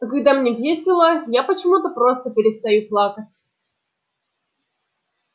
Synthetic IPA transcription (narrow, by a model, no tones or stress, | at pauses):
kɐɡd̪amnʲevʲjesʲɪlˠəjapət͡ɕɪmut̪əpɾost̪əpʲɪɾʲɪst̪ɐjuplˠakət͡sʲ